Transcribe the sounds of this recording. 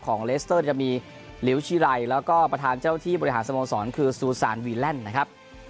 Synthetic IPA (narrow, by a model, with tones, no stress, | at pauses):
kʰɔː˩˦ŋleː˦˥st̪ɤː˥˩t͡ɕa˨˩miː˧ | li˩˦wt͡ɕʰiː˧˥ɾa˧jlɛː˦˥wkɔː˥˩pɾa˧t̪ʰaː˧nt͡ɕaː˥˩wt̪ʰiː˥˩bɔ˧ɾi˧ɦaː˩˦nsa˧moː˧ŋsɔː˩˦nkʰɯː˧suː˧saː˩˦nwiː˧lɛ˥˩nːa˦˥kʰa˦˥p̚